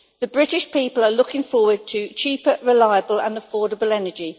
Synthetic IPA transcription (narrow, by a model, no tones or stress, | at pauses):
ðəbɹɪtɪʃpʰiˑpələlʊkɪ̃ŋfɔːwəd̚tʰət͡ʃʰiˑpəɹɪlaɪəbələ̰̃nəfɔːɾəbəlɛnəd͡ʒi